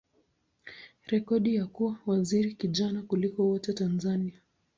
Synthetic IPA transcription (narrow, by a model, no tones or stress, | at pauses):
ɾɛkɔɗijakuwawaziɾikiʄanakulikɔwɔtɛtanzania